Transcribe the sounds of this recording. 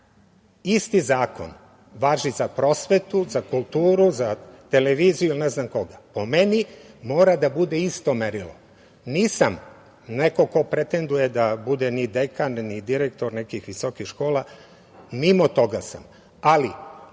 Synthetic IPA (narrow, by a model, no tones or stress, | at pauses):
ist̪izaːko̞̰n | ʋaːʒizapɾo̞sʋe̞t̪uzakulˠt̪uːɾuzat̪e̞leʋiːzijuilneznamko̞ɡapo̞me̞nimo̞ːɾad̪abud̪e̞ist̪o̞meɾilo̞̰ | niːsam | ne̞ko̞ko̞pɾet̪e̞nd̪uje̞d̪abud̪enid̪ekanːid̪iɾek̚t̪o̞ɾnekixʋiso̞kixʃko̞ːlˠa | mimo̞t̪o̞ɡasa̰m | ali